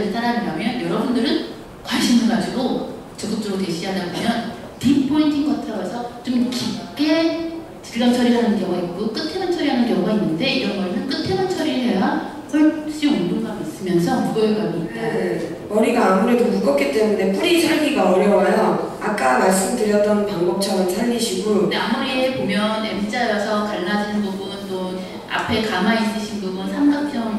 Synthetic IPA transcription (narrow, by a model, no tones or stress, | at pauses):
ɯɭt͈aɾɦanɯdamjʌnjʌɾʌbundɯɾɯn | kwaɭɕ͈imɭɡad͡ʑiɡo | t͡ɕʌɡut͈ɯɾoteɕʰiɦadanɡamjʌn | tip̚pʰointʰiŋɡatʰʌɾʌesʰʌt͡ɕomkip̚k͈e | t͡ɕiʎːʌt͡ɕʰʌɾiɾɦanɯnkjʌŋaik͈ok͈ɯtʰenant͡ɕʰʌɾiɦanɯnkjʌŋainːɯnde̞iɾʌnɡʌemʌnk͈ɯtʰenɯnt͡ɕʰʌɾiɾɯɭɦe̞ja | kʌɭt͡ɕ͈iondoŋɡamis͈ɯmjʌnsʰʌmuojeɡamia | mʌɾiɡaːmuɾe̞domuɡʌk͈it͈e̞munde̞pʰuɾisʰaɭɡiɡaʌɾjʌwajʌ | ak̚k͈amaɭs̬͈ɯmdɯɾjʌt͈ʌnpaŋbʌp̚t͡ɕʰʌɾɯnsʰaɭːiɕʰiɡuɾondeamuɾiepomjʌnḛmt͡ɕ͈ajʌsʰʌkaɭːad͡ʑinɯnbobuɯnto | a̰pʰe̞kamais͈ɯɕʰinɡɯmɯnsʰamɡakt͡ɕ͈ʌŋ